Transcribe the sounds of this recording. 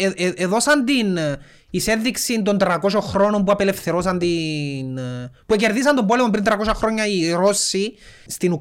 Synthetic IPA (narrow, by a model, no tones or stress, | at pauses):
eeeðo̞sɐnt̪in | ise̞ːiksint̪o̞nt̪ɾɐko̞ʃoxɾo̞no̞mbuɐpele̞fθe̞ɾo̞sɐnt̪inpuece̞ɾðis̬ɐnd̪o̞mbo̞lemompɾint̪ɾɐko̞sɐxɾo̞ɲːɐiɾo̞sːist̪inu